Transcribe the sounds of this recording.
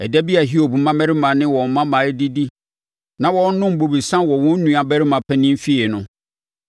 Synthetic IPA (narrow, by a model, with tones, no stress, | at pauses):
ɛ˨dæ˦bi˦a˨ɦi˦o˨bu˨mã˦mɛ˦ɾɪ˦mã˨nɪ̃˦wɔ̃˨m̩˨mã˦mã˨˦di˦di˦ | nã˨wɔ̃˦n̩˦nʊ̃˦m̩˨bo˨bi˨sã˦wɔ˨wɔ̃˦n̩˦nũ˨a˨bæ˦ɾi˦mã˨pʰɛ˦nɪ̃˦m̩˦fi˦e˨nʊ̃˦